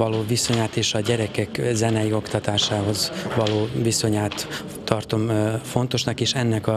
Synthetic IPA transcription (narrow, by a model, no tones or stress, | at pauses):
ɒloːviso̞ɲaːt̪eːʃɒɟɛɾɛkɛkzɛnɛjio̞kt̪ɒt̪aːʃaːɦo̞zvɒloːviso̞ɲaːt̪ː | ɒrt̪o̞mfo̞nt̪o̞ʃnɒkeːʃɛnːɛkɒ